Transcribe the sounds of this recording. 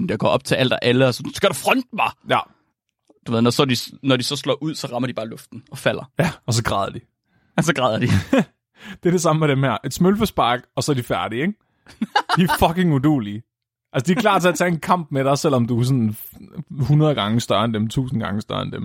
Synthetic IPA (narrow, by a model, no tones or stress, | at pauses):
jɑɡ̥ɒ̰ːɒ̽b̥̚t͡sʰe̝æl̰d̥æʔæləæssɡ̥æɐɾ̥ɑfʁɔnd̥̚mɑjæ | d̥uʋe̝ðˠnɒsɒdisnɒdisɒ̽slɒ̰ːʔuð̰ˠsɒ̽ʁɑ̈mɐdib̥ɑ̈ːlɔfd̥n̩ɒ̽fæl̰ɐjæɒ̽s̬ɒ̽ɡ̥ʁɑːðˠɐd̥i | sɒɡ̥ʁɑːðˠɐd̥i | d̥e̝ɐɾ̥e̝s̬ɑ̈məmeɾ̥emhæɐ̰ʔe̝d̥smølfɒsb̥ɑ̈ɡ̥ɒ̽sɒ̽æɐdifæɐɾ̥ieɡ̥ | d̥ifɒ̽ke̝ŋud̥o̝̰ːli | ʔælsəd̥iɐkʰlɑ̰̈ːt͡sʰe̝æɐt͡sʰɛe̝nkʰɑ̈m̰b̥meɾ̥ɑsel̰ɒ̽md̥usɔ̽nn | hunɐð̞̩ˠɡ̥ɑ̈ŋəsd̥ɶɐendemt͡sʰṵːsn̩ɡ̥ɑ̈ŋəsd̥ɶɐend̥em